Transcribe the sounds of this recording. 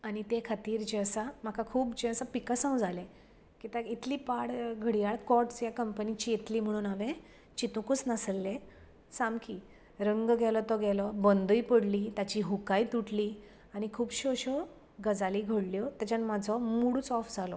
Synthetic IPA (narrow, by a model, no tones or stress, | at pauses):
añit̪ekʰat̪iːɾd͡ʑeəsam̤akʰakʰuːpd͡ʑeəsapikasãwd͡zʱale | kit̪ait̪liːpaɽɡʱəɽijaɭkɔʈsjakəmpənit͡ɕiet̪liːm̤əɽ̃uːnaʋẽ | t͡ɕit̪ukut͡snaslːe | samkiː | ɾəŋɡɡʱɛlɔt̪ɔɡɛlɔbənd̪uipəɽliːt̪jat͡ɕiːɦukajt̪uʈliː | añikʰuːbɕoɕɔ | ɡəd͡zaliːɡʱəɽljɔt̪at͡ɕanmad͡zʱɔmuɽut͡sɔfd͡zʱalɔ